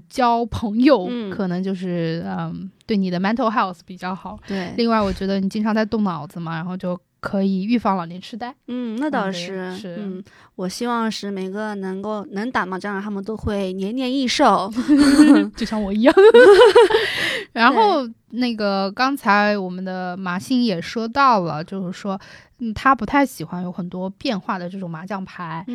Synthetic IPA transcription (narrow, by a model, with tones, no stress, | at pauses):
t͡ɕjɑ˥ʊpʰɤ˧˥ŋjo˧ʊ˥˩kʰɤ˨˩nɤ˧˥ŋt͡ɕjo˥˧ʊʂɻ̩˥˩ə˧t̪we˥˩ɪni˨˩d̪ə˦ma˧˥nt̪ʰo˧ʊxa˥˩ʊs̩˩pi˨˩t͡ɕjɑ˥˩ʊxɑ˨˩˦ʊt̪we˥˩ɪli˥˧ŋwa˥˩ɪwɔ˨˩t͡ɕɥɛ˧˥d̪ə˧ni˨˩t͡ɕi˥ŋʈ͡ʂʰŋt͡sa˥˧ɪt̪ʊ˥˩ŋnɑ˨˩ʊd͡zɹ̩˧mɐ˩ɻa˧˥nxo˥˧ʊt͡ɕjo˥˩ʊ | kʰɤ˧˥i˨˩y˥˧fɑ˥˩ŋlɑ˨˩nɛ˥˩ʈ͡ʂʰɻ̩˥t̪a˥˩ɪn̩˥˩na˥˩t̪ɑ˥˩ʂɻ̩˥˩ʂɻ̩˥˩n̩˥˩ | wɔ˨˩ɕi˥wɑ˥˧ŋʂɻ̩˥˩me˨˩ɪɡə˧nɤ˧˥ŋko˥˩ʊnɤ˧˥ŋt̪a˨˩ma˧˩ʈ͡ʂɤ˥˧˥t̪ʰa˥mə˨nt̪o˥ʊxwe˥˩ɪnjɛ˧˥nnjɛ˧ni˥˧ʂo˥˩ʊ | t͡ɕo˥˧ʊɕjɑ˥˩ŋwɔ˨˩i˧˥jɑ˥˩ŋ˩ | ɻa˧˥nxo˥˩˧ʊ | na˥˩ɡə˩kɑ˥ŋt͡sʰa˧˥ɪwɔ˨˩mə˦nd̪ə˧ma˧˥ɕi˥ŋjɛ˨˩ʂwɔ˥t̪ɑ˥˩ʊlə˩t͡ɕjo˥˧ʊʂɻ̩˥˩ʂwɔ˥ | n̩˥˩t̪ʰa˥pu˧˥t̪ʰa˥˩ɪɕi˨˩xwa˧˥njo˧˥ʊxə˨˩nt̪wɔ˥pjɛ˥˧nxwa˥˩d̪ə˩ʈ͡ʂɤ˥˩ʈ͡ʂʊ˨˩ŋma˧˥t͡ɕjɑ˥˩ŋpʰa˧˥ɪ